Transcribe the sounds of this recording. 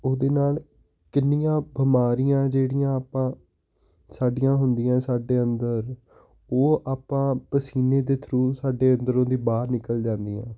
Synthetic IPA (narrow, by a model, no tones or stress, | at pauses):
oːd̪eːnaːl | kɪnːɪjãːbəmaːɾɪjãːd͡ʒeːɽɪjãːaːpãː | saːɖɪjãːɦʊnd̪ɪjãːsaːɖeːənd̪əɾ | oːaːpãːpəsiːneːd̪eːt̪ʰɾuːsaːɖeːənd̪əɾõːd̪iːbaːɾnɪkəld͡ʒãːnd̪ijã̰ː